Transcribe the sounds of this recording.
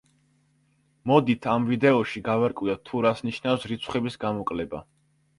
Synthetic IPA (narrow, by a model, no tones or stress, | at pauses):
mɔd̪it̪ʰamvid̪ɛɔʃiɡavaɾkʼwiat̪ʰuɾasniʃnafsɾit̪sʰχɛbisɡamɔkʼlɛba̰